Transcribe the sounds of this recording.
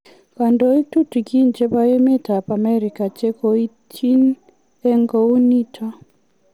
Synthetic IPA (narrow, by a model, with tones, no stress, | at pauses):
ka˨ndɔ˦i˦tu˦ti˨ki˦nt͡ʃɛ˦pa˦jɛ˦mɛ˦ta˨pa˨mɛ˦ɾi˨ka˨t͡ʃɛ˦kɔ˦i˦ | t͡ʃi˦n | ɛ˦ŋɡɔ˨u˦ni˦tʰa˦